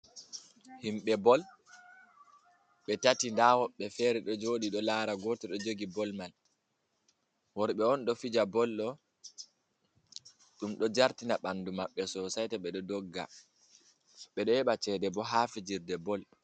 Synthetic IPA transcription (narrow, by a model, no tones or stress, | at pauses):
himɓɛbɔl | ɓɛtatindawɔɓːɛfɛɾɛɗɔd͡ʒoːɗiɗɔlaɾaɡɔːtɛɗɔd͡ʒoɡibɔlmal | wɔɾɓɛɔnɗɔfid͡ʒabɔlɗɔ | ɗumɗɔd͡ʒaɾtinaɓandumaɓːɛsɔsajtaɓɛɗɔdɔɡːa̰ | ɓɛɗɔhɛɓat͡ʃɛdɛbɔɦafid͡ʒiɾdɛbɔl